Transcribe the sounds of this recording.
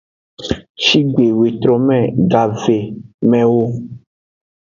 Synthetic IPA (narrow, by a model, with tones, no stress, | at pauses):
ʃi˦ɡe˨we˨t̪ɾɔ˨mɛ̃˦˨ɡa˨ve˨mɛ̃˨wo˦